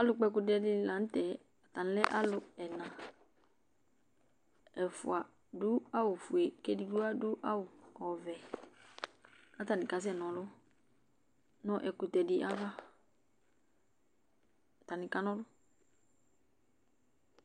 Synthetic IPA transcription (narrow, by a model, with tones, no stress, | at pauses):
a˦lʊ˧k͡pɛ˧kʊ˧tɛ˧dɪ˦la˨n̩˦tɛ˨ | a˨t̪a˨ñ˦lɛ˦ʔa˦lʊ˨ɛ˨nã˨ | ɛ˨fʊ̰˨a˨ | dʊ˦a˦wʊ˨fu˨e˨ke˦di˨du˦a˦dʊ˦ʔa˦wʊ˨ɔ˨vɛ˨ | a˦t̪a˨nĩ˨ka˨˦s̬ɛ˦˨nɔ̃˨lʊ˦ | nɔ̃˦ʔɛ˨kʊ˨t̪ɛ˨dɪ˦ʔa˦va˦ | a˨t̪a˨nĩ˨ka˦nɔ̃˦dʊ˦